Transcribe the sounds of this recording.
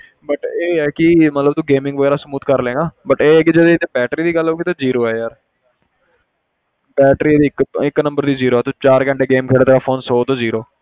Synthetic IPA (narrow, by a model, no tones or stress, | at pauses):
bəʈeːɦɛːkɪmət̪ləbt̪ũːɡeːmɪ̃ŋɡʋəɡɛːɾaːsəmuːt̪kəɾlẽːɡaːbəʈeːɛːkɪd͡ʒəd̪eːɪt̪eːbɛːʈɾiːd̪iːɡəlɦoːkit̪ãːd͡ʒiːɾoːɛːjaːɾ | bɛːʈɾiːd̪iɪkɪkːnə̃mbəɾd̪iːziːɾoːɛːt̪ut͡ʃaːɾkə̃ɳʈeːɡeːmkʰeːɽet̪ʰːaːpʰoːnsoːt̪õːziːɾoː